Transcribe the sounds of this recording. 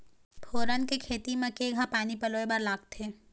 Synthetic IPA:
pʰoːɾənkekʰeːt̪imẽkeːɡʱãpaːnipɐloːebɐɾlaːɡ̚t̪ʰeː

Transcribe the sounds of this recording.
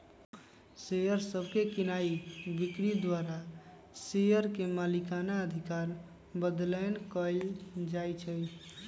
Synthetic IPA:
sejəɾsəbʱkekinaibikɾid̪waɾa | sejəɾkemalikanaəd̪ʱikaɾ | bəd̪ləjnkəjld͡ʒajt͡ʃʰəj

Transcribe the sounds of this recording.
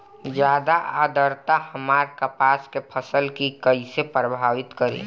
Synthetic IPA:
d͡ʒjaːd̪aʔaːd̪əɾt̪ahəmaːɾkəpaːskepʰəsəlkikəisepɾəbʱaːʋɪt̪kəɾḛ̃ː

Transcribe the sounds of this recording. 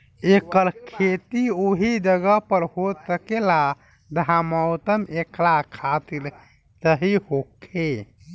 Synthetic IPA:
ekəɾkʰet̪ioɦid͡ʒəɡəpəɾhosəkela | d̪ʱaməwt̪əmeklakʰat̪il | t͡ʃəɦihokʰe

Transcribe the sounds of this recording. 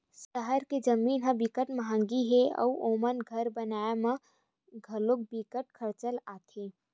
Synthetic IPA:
ʃəɦəɾked͡ʒəmiːnɦə̃bikəʈməɦə̃ŋɡiɦeɔ̰uʔoːmənɡʱəɾbənaːamã | ɡʱəlok̚bikəʈ̚kʰəɾt͡ʃəlaːt̪ʰe

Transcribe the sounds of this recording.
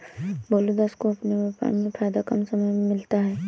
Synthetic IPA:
boːlud̪askoɐpneʋapa̰nmẽpʰaːjd̪akənsɐməjmɪlt̪aɦɛː

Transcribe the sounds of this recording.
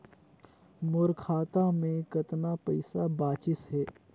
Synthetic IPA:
mʊɾkʰaːt̪amẽkɐt̪napɐɪsabaːt͡ʃɪsɦɛː

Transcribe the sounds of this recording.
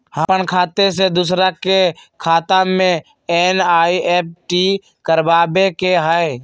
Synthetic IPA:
həənkʰaːt̪esed̪us̬ɾakekʰaːt̪ãmẽ | eːnaːiʔeːp̚ʈi | kəɾbaːbekeɦəe

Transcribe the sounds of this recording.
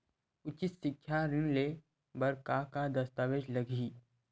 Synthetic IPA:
ʊt͡ʃɪt̪sɪkʰːjaɾɪnle | bɐɾkakad̪ɐst̪aːʋeːd͡ʒlɐɡʱiː

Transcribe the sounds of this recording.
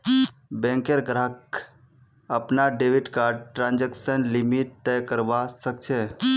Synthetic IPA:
bɛ̃ŋkeɾɡɾəɦək̚ | əpnaɖeʋiʈkaʈɾãːnd͡ʒeksənlimiʈ̚t̪ɛkəɾbasək̚t͡ʃʰɛ

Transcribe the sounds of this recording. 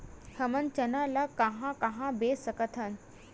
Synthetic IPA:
həmənt͡ɕɐnalakaɦãkaɦãbesəkət̪ʰən

